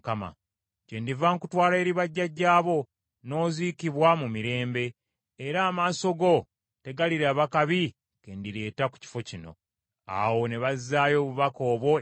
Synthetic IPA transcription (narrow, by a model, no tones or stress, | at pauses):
kama̰ | ce̞ndivaŋkutwaːleɾiβaɟːaɟːaːβo̞ | no̞ːziːkiβwamumiɾe̞ːmbe̞ː | ɾaːmaːso̞ɡo̞ | te̞ɡaliɾaːβakaβi | kendiɾe̞ːtaku̥ci̥fo̞cino̞̰ | a̰wo̞ne̞βazːaːjo̞ːβuβako̞ːβwo̞